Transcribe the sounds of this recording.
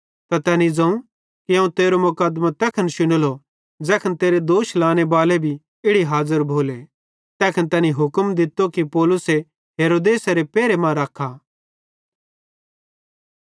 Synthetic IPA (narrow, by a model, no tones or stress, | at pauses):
t̪at̪ɛːnid͡zɐ̃ũ | kiɐ̃ũt̪eːɾomʊkad̪mãt̪ɛːkʰənʃʊñəlo | d͡ʒɛːkʰənt̪eːɾed̪oːʃlaːñebaːlebʱi | ɪɽiɦaːzəɾbʱoːle | t̪ɛːkʰənt̪ɛːniɦʊkəmd̪ɪt̪okipɔːlʊse | ɦeːɾoːd̪eːsaɾepɛːɾemãɾɐkʰa